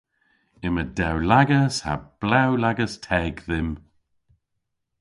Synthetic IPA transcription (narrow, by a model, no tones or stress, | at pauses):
ɪmədɛwlaɡəsha̰b̥lawlaɡəstʰɛːɡðɪm